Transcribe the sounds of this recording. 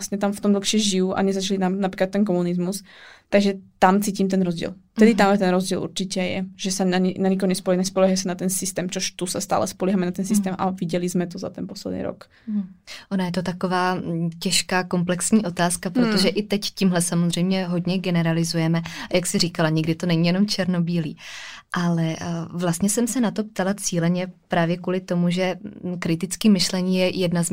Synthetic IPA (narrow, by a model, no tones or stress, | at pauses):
stɲɛt̪amft̪ɔmd̪l̩xʃɛʒijuʔa̰ɲɛzat͡ʃalit̪amnapɾiːklat̪ːɛnk̬ɔmunizmust̪aɡʒɛt̪amt͡siːcimt̪ɛnɾɔzɟɪɛ̰lft̪ɛd̪it̪amjɛt̪ɛnɾɔzɟiɛ̰lʔṵɾt͡ʃicɛjɛ̰ʒɛsanaɲnaɲik̬ɔɲɛspɔlɛnɛspɔlɛːɦasanat̪ɛnsist̪ɛːmt͡ʃɔʃt̪usast̪a̰ːlʔɛspɔliːɦamɛnat̪ɛns̬ist̪ɛːmʔa̰ʋiɟɛlizmɛt̪ɔza̰t̪ɛnpɔslɛd̪nḭːɾɔ̰k | ʔonajɛt̪ot̪akovaːcɛʃkaːko̞mplɛksɲiːʔo̞t̪aːskapɾot̪oʒɛʔɪt̪ɛccimɦlɛsamozr̝ɛjmɲɛɦo̞dɲɛɡɛnɛɾalɪzujɛmɛajaksɪriːkalaɲɪɡdɪt̪o̞nɛɲiːjɛno̞mt͡ʃɛɾno̞biːlḭːʔalɛvlast̪ɲɛsɛmsɛnat̪o̞p̚t̪alat͡siːlɛɲɛpɾaːvjɛkuːlɪt̪o̞muʒɛkɾɪt̪ɪt͡skiːmɪʃlɛɲiːjɛjɛdnaz